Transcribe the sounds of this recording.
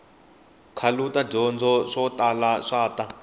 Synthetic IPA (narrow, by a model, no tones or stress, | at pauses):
kʰalutaɟɔnd͡zʱɔʂɔtʼalaʂaːta